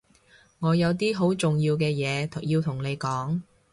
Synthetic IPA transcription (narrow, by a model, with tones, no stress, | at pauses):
ŋɔː˨˧jɐ˨˧wt̪iː˥ɦo˨˥wt͡sʊ˨ŋjiː˧wkɛː˧jɛː˨˧t̪ʰjiː˧wt̪ʰʊ˨˩ŋne˨˧jkɔː˨˥ŋ